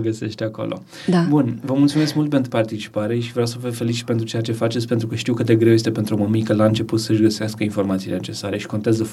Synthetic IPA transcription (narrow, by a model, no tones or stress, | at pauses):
ɡəse̞ʃt̪ʲako̰lʔo̰ | d̪abunvəmult̪sume̞skmult̪̚pe̞nt̪ɾupart̪it͡ʃi̥paɾe̞ʃivɾeawsəvefe̞lit͡ʃi̥t̪pe̞nt̪ɾut͡ʃe̞jat͡ʃe̞fat͡ʃe̞t̪sʲpent̪ɾukəʃt̪iwkɨt̪d̪e̞ɡɾewjest̪e̞pent̪ɾuoməmikəlaɨnt͡ʃe̞put̪səʒɡəsaskəinfo̞rmat̪sileḛt͡ʃe̞saɾe̞ʃi̥kont̪eazə